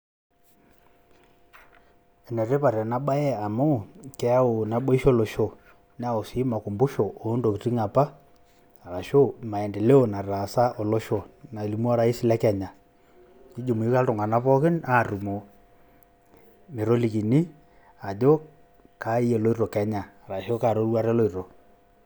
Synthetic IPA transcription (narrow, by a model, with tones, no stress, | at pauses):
ɛ˨nɛ˨ɾɛ˦pa˨ɾi˨a˨na˨˦ɓa˦ɛ˦a˨mɔ˦˨kɛ˦a˦o˨na˨ɓɔ˦i˦ʃɔ˦lɔ˨ʃɔ˨ | n˦a˦˨o˨si˨˦ma˨ku˨mbu˦ʃɔ˨ʔo˨˦ndo˨ki˨ti˦ŋa˨pa˦ | a˨ɾa˨ʃo˦ma˨ɛ˨ndɛ˨lɛ˦ɔ˨na˨ɾa˨sa˦ʔɔ˨lɔ˦ʃɔ˨na˨li˨m˦a˦ɾa˦i˦si˦la˦ka˨ɲa˨ | i˦d͡ʒo˨mu˨i˦ka˦tɔ˨ŋɡa˨na˦βɔ˦ki˦na˦˨ɾu˨mo˨ | me˨ɾɔ˦li˨ki˨ni˦ | a˨d͡ʒɔ˦ | ka˨˦i˦ɛ˨lɔ˦i˦ɾɔ˨ka˦ɲa˨ɾa˨ʃɔ˦ka˨ɾo˦ɾu˦a˦ɾɛ˦lɔ˦i˨ɾɔ˨